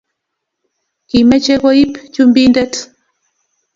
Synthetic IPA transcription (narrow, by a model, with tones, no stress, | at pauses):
ki˨mɛ˦t͡ʃe˦ko˦i˦pt͡ʃu˦mbi˦ndɛ˦t